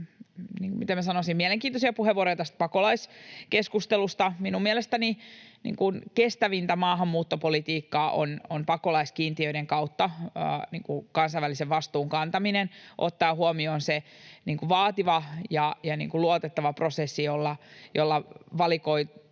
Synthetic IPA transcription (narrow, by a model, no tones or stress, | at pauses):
niŋkumit̪æmæsɑnosimiɛleŋkiːnt̪osiɑpuheʋoɾojɑt̪æst̪̚pɑkolɑiskeskust̪elust̪ɑminumiɛlest̪æninḭːŋkunkest̪æʋint̪æmɑːɦɑmːuːt̪ːopolit̪iːkːɑːʔo̰nonpɑkolɑiskiːnt̪iøiɾeŋkɑut̪ːɑ̰ːnḭːŋkukɑnsɑiʋæliseʋʋɑst̪uːŋkɑnt̪ɑminenʔot̪ːɑːhuomioːnseniːŋkuʋɑːt̪iʋɑjɑjɑnḭːŋkuluot̪et̪ːɑʋɑprosesːijolːɑjolːɑʋɑlikoi